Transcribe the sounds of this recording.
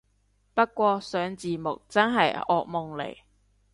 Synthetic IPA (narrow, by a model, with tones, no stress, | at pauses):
pɐ˥t̚kʷɔː˧sœː˨˥ŋt͡siː˨mʊ̰˨k̚t͡sɐ˥nɦɐ˨jɔ̰ː˨˧k̚mʊ˨ŋlḛ˨˩j